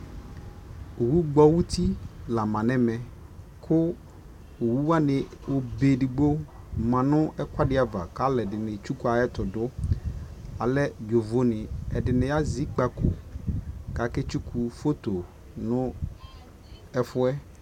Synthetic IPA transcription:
o˨wu˦ɡ͡bɔ˦wu˦t̪ʰi˦la˨mã˨nɛ̃˦mɛ̃˨ | kʰʊ˦ | o˨wu˦wa˦nɪ̃˨wʔo˦be˨ɖi˨ɡ͡bo˦ | mã˨nʊ̃˦ɛ˦kʷa˦ɖɪ˦a˨va̰˨ka˦lɛ˨dɪ˨nɪ̃˨t͡ʃu˦ku˦a˨ɛ˦t̪ʊ˨dʊ˦ | a˨lɛ˦jo˨vo˦nɪ̃˨ɛ˨ɖɪ˨nɛ̃˨a˦zi˦k͡pa˨ko˨ | ka˨ke˦t͡ʃu˦kʰu˦fo˦t̪o˨ | nʊ̃˦ | ɛ˦fʊ˦ɛ˦

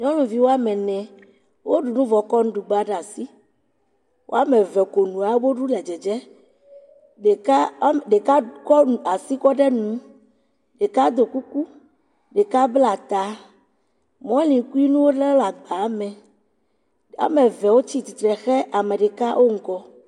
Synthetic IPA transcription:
ɲɔ̃˦lũ˨vi˦wo˦a˦mɛ̃˨nɛ̃˨ | wo˦ɖu˨nũ˦vɔ˨kɔ˦nũ˦ɖu˨ɡ͡ba˦ɖa˨si˦ | wʔo̰˦a˦me˨vɛ˨ko˨nũ˨a˨˦bo˦ɖu˦ɖa˨d͡ʒɛ˨d͡ʒɛ˦ | ɖe˨ka˦ɖe˨ka˦kɔ˦˨a˨si˦kɔ˦ɖɛ˦nũ˨˦ | ɖe˨ka˦d̪o˨ku˦ku˦ | ɖe˨ka˦bla˨t̪a˨ | mɔ̃˦lĩ˨˦ku˦i˦nũ˦wo˦ɖɛ˦la˨ɡ͡ba˨˦mɛ̃˨ | a̰˨˦me˨vɛ˨wo˦t͡ɕi˦t̪i˨t̪ɾɛ˨xɛ˦ʔa˨mẽ˨ɖe˨ka˦wʔo˦ŋ̩˨kɔ˦

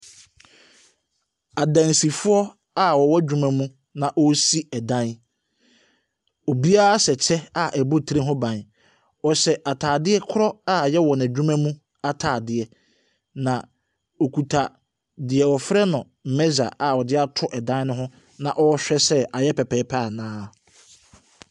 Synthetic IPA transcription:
a˨dã˨n˨si˨fʊ˦ɔ˦ | a˦wɔ˨wɔ˦d͡ʑᶣu˦mã˦mũ˦ | nã˨ʔɔ˦si˦ɛ˨dã˦n | o˨bi˦a˦a˦sɛ˨t͡ɕʰɛ˦a˨ʔæ˨bo˦˨tʰɾe˦ɦʊ̃˦bã˨n | ɔ˨ɕɛ˨ʔa˨tʰaː˨dɪ˦ɛ˦kʰʊ˦ɾɔ˦a˦˨jɛ˦wɔ˨næ˨d͡ʑᶣu˦mæ̃˦mũ˦ | a˨tʰaː˨dɪ˨ɛ˨ | nã˨ | o˨kʰu˨tʰa˨ | dɪ˨ɛ˨wɔ˨fɾɛ˦nʊ̃˨ | m̩˨mɛ˦za̰˨ʔa˨wɔ˨dɪ˦a˦tʰʊ˦ʔɛ˨dã˦n˦nʊ̃˦ɦʊ̃˦ | nã˨ʔɔ˦ɕᶣɛ˦sɛ˦a˨jɛ˦pʰɛ˨pʰɛ˨˦pʰa˦a˨nãː˦

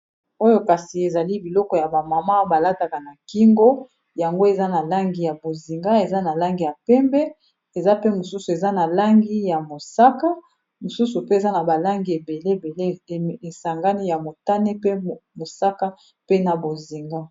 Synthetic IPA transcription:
o˦jo˦ka˨si˨e˨za˨li˦bi˨lɔ˦kɔ˨ja˨ba˨ma˨ma˦ba˨la˦ta˨ka˨na˨ki˦ŋɡo˦ | ja˨ŋɡo˦e˨za˦na˨la˦ŋɡi˨ja˨bo˨zi˨ŋɡa˦e˨za˦na˨la˦ŋɡi˨ja˨pɛ˦mbɛ˦ | e˨za˦pe˦mo˨su˦su˨e˨za˦na˨la˦ŋɡi˦ja˨mo˨sa˦ka˦ | mo˨su˦su˨pe˦e˨za˦na˨ba˨la˦ŋɡi˨e˨be˨le˦˨be˨le˦˨e˨sa˨ŋɡa˦ni˦ja˨mo˨ta˦ne˦pe˦mo˨sa˦ka˦ | pe˦na˨bo˨zi˨ŋɡa˦

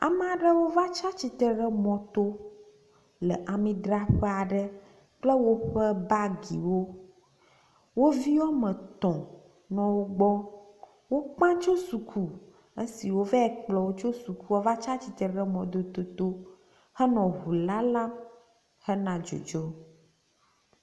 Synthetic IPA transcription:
a̰˨m̃˦a˨ɖə˦wo˦va˦t͡ʃa˦t͡ɕi˦t̪ə˦ɖə˦mɔ̃˨t̪o˦ | lə̰˨ʔa˨mĩ˦d̪ɾa˦ɸɛ˦a˨ɖə˦ | k͡plə˦wo˦ɸə˦ba˦ɡḭ˨wo˦ | wo˦vi˦wɔ˦mə̃˨t̪ɔ̃˨ | nɔ̃˨wo˦ɡ͡bɔ˦ | wo˦k͡pã˦t͡ʃo˦su˨kʰu˦ | ə˦si˨wo˦vɛ˦ɛ˨k͡plɔ˨wo˦t͡ʃo˦su˨ku˦wɔ˦va˦t͡ʃa˦t͡ɕi˨t̪ə˨ɖɛ˦mɔ̃˨d̪o˦t̪o˦t̪o˦ | hɛ˦nɔ̃˨ɦu˨la˦la˦ | hɛ˦nã˨d͡ʒo̰˨d͡ʒo˦

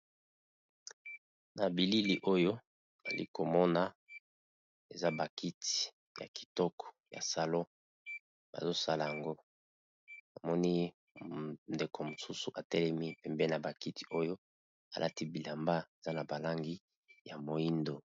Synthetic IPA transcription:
na˨bi˨li˦li˨ʔo˦jo˦ | a̰˨lḭ˦ko˨mɔ˦na˨ | e˨za˦ba˨ki˦ti̥˨ | ja̰˨ki̥˨tɔ˦kɔ̥˨ja̰˨sa˨lo˦ | ba̰˨zo˦sa˦la˨ja˨ŋɡo˦ | a˨mɔ˦ni˦ | nde˨ko˨mo˨su˦su˨ʔa˨tɛ˦lɛ˦mi˦pɛ˨mbɛ˦na˨ba˨ki˦ti̥˨o˦jo˦ | a˨lʔa̰˦ti˦bi˨la˨mba˦e˨za˦na˨ba˨la˦ŋɡi˦ | ja˨mo˨i˦ndo˨

